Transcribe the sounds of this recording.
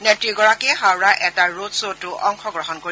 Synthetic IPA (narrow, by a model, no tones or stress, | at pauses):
netɹiɡɔɹakɛɦawɹaʔɛtaɹotsotʊʔɔŋxʰɔɡɹɔɦɔnkoɹi